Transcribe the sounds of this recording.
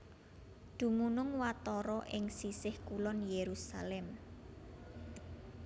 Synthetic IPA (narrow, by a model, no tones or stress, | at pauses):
d̪̥ṳmunʊŋwat̪ɔɾɔʔɪŋsisɪhkulɔnjeɾusa̰lɛm